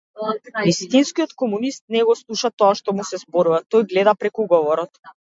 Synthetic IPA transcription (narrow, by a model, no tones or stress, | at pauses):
vist̪inskiɔt̪kɔmunist̪̚nɛɡɔslˠuʃat̪ɔaʃt̪ɔmusɛzbɔɾuvat̪ɔjɡlɛd̪apɾɛkuɡɔvɔɾɔt̪